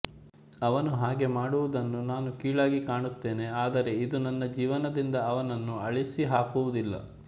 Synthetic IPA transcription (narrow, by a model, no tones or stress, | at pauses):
ɐʋɐnuɦaːɡe̞maːɽuʋud̪ɐnːunaːnukiːɭaːɡikaːɳut̪ːe̞ːne̞aːd̪ɐɾe̞id̪unɐnːɐd͡ʒiːʋɐnɐd̪ind̪ɐːʋɐnɐnːuɐɭisiɦaːkuʋud̪ilːɐ̰